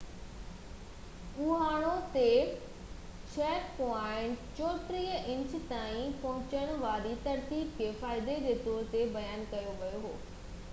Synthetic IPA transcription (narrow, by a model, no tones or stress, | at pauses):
uɦaːɽ̃ot̪e | t͡ɕʰeːɾpɔɪ̃ɳʈt͡ɕɔːt̪ɾiːjəʔɪ̃ɲt͡ɕ̆t̪aːĩpɐɦʊ̃t͡ɕəɽ̃ʋaːɾit̪ɐɾt̪iːb̚kʰefaːɪd̪ed͡ʑeːt̪ɔːɾt̪ebɐjaːnkɐjoʋɐjoɦo̰ː